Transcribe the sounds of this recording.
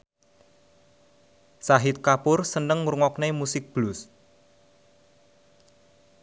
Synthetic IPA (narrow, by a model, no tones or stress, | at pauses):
saɦɪt̪̚kapʊrsənəŋuɾuŋɔk̚nemusɪk̚b̥lʊs